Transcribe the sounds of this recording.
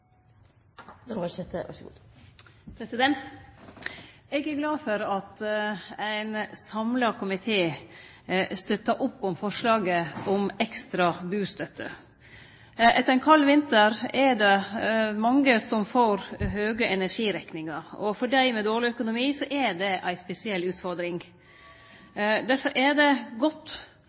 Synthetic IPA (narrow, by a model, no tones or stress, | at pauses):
ɛt̪əʋæ̰ʂɡṵ | pʰɾɛsɪd̪ɛnt̪ | ɛɡæɾɡlɑːfɔɾɑt̪æɪnsɑmlɑkʰʊmɪt̪ʰeː | st̪œt̪ːɑʔʊpːɔmfɔʂɭɑːɡəɔmɛkst̪ɾɑbʉːst̪œt̪ʰːə | ʔɛt̪ːɾæɪnkʰɑlːʋɪnt̪əɾɛɾɖ̪ɛmɑŋːəsɔmfoːɾɦøːɡəʔɛnæɾʂiːɾɛknɪŋɑɾɔ̰fɔɖæɪmɛd̪oːɾɭɪœkʊnʊmiːsɔʔɛd̪ɛʔæɪspɛsɪɛlːʉːt̪fɔɾd̪ɾɪŋ | d̪æɾfɔɾʔæd̪ɛɡɔt̪ː